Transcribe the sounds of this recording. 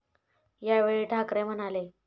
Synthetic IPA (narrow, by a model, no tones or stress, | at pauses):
jaʋeɭiːʈʰakɾem̤ənale